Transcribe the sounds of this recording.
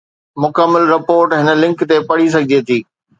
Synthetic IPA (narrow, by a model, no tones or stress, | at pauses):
mʊkəmːəlɾɪpoːɾʈɦɪnəlɪ̃ŋkt̪epɐɽ̤is̬ɐɡʱɪd͡ʑet̪ʰiː